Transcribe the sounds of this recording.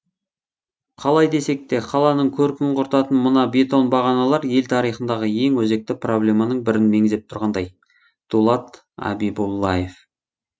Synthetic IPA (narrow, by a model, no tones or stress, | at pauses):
qʰɑlˠɑjd̪e̞se̞k̚t̪e̞qʰɑlˠɑnəɴkʲʰɵɾkʲɪŋqʰʊɾt̪ɑt̪ənmʊnɑbe̞t̪o̞nbɑʁɑnɑlˠɑɾje̞lt̪ʰɑɾijχənd̪ɑʁəje̞ŋwɵze̞k̚t̪ɪpro̞blʲe̞mɑnəɴbɪɾɪnme̞ŋzep̚t̪ʰʊɾʁɑnd̪ɑj | d̪̥ulˠɑt̪ | ɑ̰bijbulˠːɑje̞f